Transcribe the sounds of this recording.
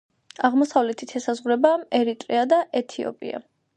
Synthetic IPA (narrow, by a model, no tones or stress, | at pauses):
aʁmɔsavlɛt̪ʰit̪ʰɛsazʁuɾɛbaɛɾit̪ʼɾiad̪aʔɛt̪ʰiɔ̰pʼḭa̰